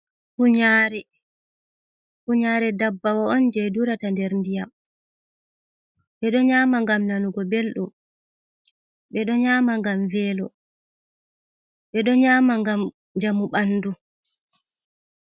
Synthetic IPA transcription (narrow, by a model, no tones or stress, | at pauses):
kuɲaːɾɛ | kuɲaːɾɛdabːawɔɔnd͡ʒɛduɾatandɛɾndija | ɓɛɗɔɲaːmaŋɡamnanuɡɔbelɗum | ɓɛɗɔɲaːmaŋɡamvɛːlɔ | ɓɛɗɔɲaːmaŋɡam | ɲd͡ʒamuɓanːdu